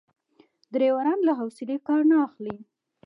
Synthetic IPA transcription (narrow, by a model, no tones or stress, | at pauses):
d̪ɾewaɾɑnlaɦawsɪlekɑɾnaːxli